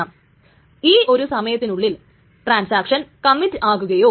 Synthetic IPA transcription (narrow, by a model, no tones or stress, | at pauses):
am | iːʔo̞ɾusɐmɐjɐt̪ːinuɭːil | ʈraːnsaːkʂɐnkɐmːitːɨʔaːɣuɣɐjo̞ː